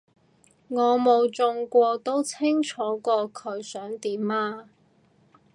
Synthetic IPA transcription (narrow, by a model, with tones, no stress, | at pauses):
ŋɔː˨˧mo˨˧wt͡sʊ˧ŋkʷɔː˧t̪o˥wt͡sʰɪ˥ŋt͡ʃʰɔː˨˥kʷɔː˧kʰɵ˨˧˥ɥsœː˨˥ŋt̪iː˨˥maː˧